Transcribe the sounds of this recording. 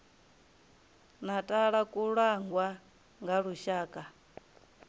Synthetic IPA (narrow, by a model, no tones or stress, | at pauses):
natʼaɺakʼuɺaŋɡwa | ŋɡaɺuʃaːkʼa